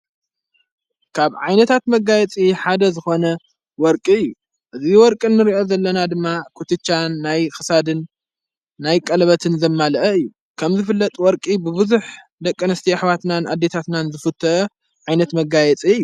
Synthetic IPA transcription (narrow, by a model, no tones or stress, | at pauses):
kʰaβʕajnɐt̪ʰat̪mɐɡːajɛt͡sʼiħad̪ɐzɨxo̞nɐ | wɔɾkʼiɨjːu | ʔɨziwɔɾkʼɨnːɨɾiʔo̞zɐlːɐnad̪ɨmːakʰut̪ɨt͡ʃːanːajxɨsad̪ɨnː | ajkʼɐlβɐt̪ʰɨnzɐmːalɐʔɐɨjːu | kʰɐmzɨfɨlːɐt̪ʼwɔɾkʼibɨβɨzuħ | d̪ɐkʼːɨnɨst̪ʰiaħβat̪nanʔad̪ːe̞t̪ʰat̪nanzɨfɨt̪ʰːɐʔɐ | ʕajnɐt̪mɐɡajɛt͡sʼiɨjːu